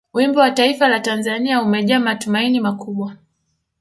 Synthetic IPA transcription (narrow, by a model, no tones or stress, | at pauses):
wimbɔwataifalatanzaniaumɛʄaːmatumainimakuɓwa